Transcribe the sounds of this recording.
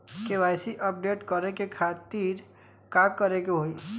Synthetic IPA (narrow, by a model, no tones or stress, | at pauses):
keʋaːjsiʔəp̚ɖeːʈkəɾekekʰaːt̪iɾ | kakːəɾekeɦoi